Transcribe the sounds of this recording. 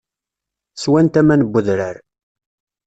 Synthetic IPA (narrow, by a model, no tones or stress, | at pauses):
swænt̪æmænəbːʊðɾəɾ